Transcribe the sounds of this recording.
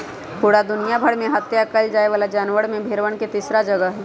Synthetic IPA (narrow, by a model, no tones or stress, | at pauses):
puːɽad̪ʊnijabʱɐɽmẽɦɐt̪jakəld͡ʒaːeʋaːlad͡ʒaːnʋəɽmẽbʱeːɾʋəɽ̃ket̪iːsɾad͡ʒɐɡəɦɛ